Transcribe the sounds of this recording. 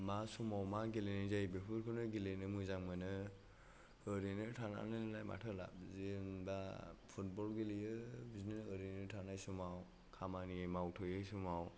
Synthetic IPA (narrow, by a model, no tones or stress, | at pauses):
masumawmaɡelenajzajbepʰɯɾkʰɯnɯɡilenɯmujzaŋmanɯ | ɯɾinɯtʰana̰nɯlɯnajma̰tʰɯla̰b̚zinbapʰut̚bɔlɡilijɯbiznenɯɾinɯtʰanajsumaw | kʰamaniemawtʰɔjajsumaw